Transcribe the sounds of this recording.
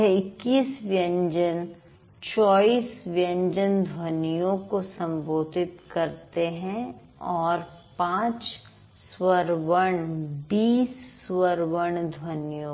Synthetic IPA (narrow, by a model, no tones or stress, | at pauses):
ɛɪkːiːsʋjə̃ɲd͡ʒən | t͡ʃɔːiːsʋjə̃ɲd͡ʒənd̪ʱwənjõkosɐ̃mboːt̪ɪt̪kɐɾt̪eɦɛ̃ | ɔːɾpãːt͡ʃ | swəɾʋəɳbiːsːwəɾʋəɳd̪ʱwənijõ